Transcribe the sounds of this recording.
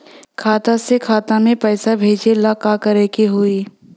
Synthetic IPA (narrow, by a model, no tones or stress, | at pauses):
kʰaːt̪asekʰaːt̪amẽpɛːsabʱeːd͡ʒelakakɐɾeːkeɦuiː